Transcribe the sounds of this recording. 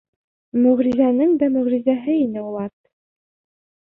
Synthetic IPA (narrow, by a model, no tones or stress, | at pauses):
mɵ̆ʁɾizænɘŋd̪æmɵ̆ʁɾizæɦɘinɘulˠɑt̪